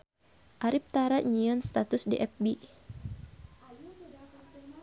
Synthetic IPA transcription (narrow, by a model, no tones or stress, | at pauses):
ʔaɾip̚t̪aɾaʔɲiɔnst̪at̪ʊsdiʔɛp̚bi